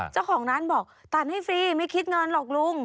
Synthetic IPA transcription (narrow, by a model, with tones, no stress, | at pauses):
t͡ɕaː˥˩wkʰɔː˩˦ŋnaː˦˥nbɔː˨˩k̚t̪ʰaː˨˧˩nha˥˩jfiː˧ma˥˩jkʰi˦˥t̪̚ŋɤ˧nlɔː˨˩k̚lu˧˥ŋ